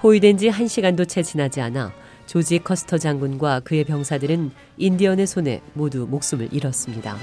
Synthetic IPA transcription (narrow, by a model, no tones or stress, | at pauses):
ɸoidwe̞nd͡ʑiɦanɕʰiɡandot͡ɕʰe̞t͡ɕinad͡ʑiana̰ | t͡ɕod͡ʑikʰʌsʰɯ̥tʰʌd͡ʑaŋɡunɡwakɯe̞pjʌŋsʰadɯɾɯn | indiʌne̞sʰone̞̰modumok̚s͈ɯmɯ̰ɭʔiɾʌs͈ɯmɲida̰